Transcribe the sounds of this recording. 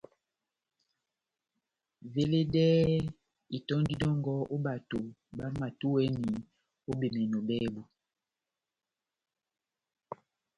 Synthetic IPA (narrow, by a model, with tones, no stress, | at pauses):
ve˦le˦dɛ˦ | i˨tɔ˦ndi˦dɔ˦ŋɡɔ˦o˦ba˨to˨ | ba˦ma˨tu˦wɛ˦ni˨ | o˦be˨mɛ˨nɔ˨bɛ˦bu˨